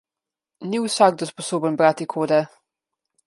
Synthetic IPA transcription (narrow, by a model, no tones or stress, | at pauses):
njuːsaɡ̚d̪əspɔsobənbɾat̪ikʰodɛ